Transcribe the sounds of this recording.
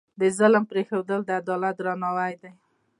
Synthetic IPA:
d̪əzaləmpɾexewd̪əld̪əad̪ɑlat̪̚ɾɑnawajd̪aj

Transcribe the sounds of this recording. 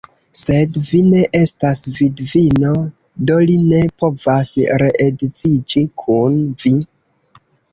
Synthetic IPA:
se̞dvine̞ʔe̞stasvidvino̞ | do̞line̞po̞vasɾe̞ʔedit͡sid͡ʒikʰunvi

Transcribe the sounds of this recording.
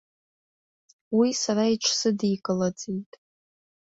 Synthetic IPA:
wisaɾaiʈ͡ʂʷʰsɨdijkʼɨlad͡zitʼ

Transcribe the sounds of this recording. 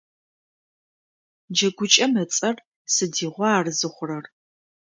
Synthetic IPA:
d͡ʒɐɡʷʊt͡ʃʼɐmɐt͡sʼɐr | sɨdiːʁʷɔaːrɨzɨχʷʊrɐr

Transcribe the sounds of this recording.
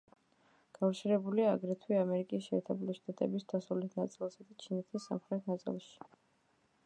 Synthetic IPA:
ɡ̥afɾt͡ʃʰɛɾɛbuliaːɡɾɛt̪ʰwiamɛɾikʼisɛ̰ɾt̪ʰɛbliʃt̪ʼat̪ʼɛ̰bisd̪̥asulɛt̪ʰnat̪sʼilˠsad̪at͡ʃʰinɛt̪ʰisːa̰mχɾɛt̪ʰnat̪sʼḭlˠʃi̥

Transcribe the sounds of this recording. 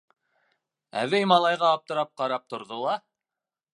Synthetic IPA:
æ̰vɘjmɑlˠɑjʁɑːp̚t̪ɤ̆ɾɑp̚qɑɾɑp̚t̪ŏɾðolˠɑ

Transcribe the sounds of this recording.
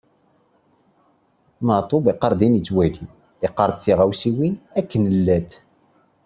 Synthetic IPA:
mət̪ˤobiqəɾˤd̪init͡sːwæli | iqːəɾˤd̪θiʁæwsiwinækːənəlːæt̪

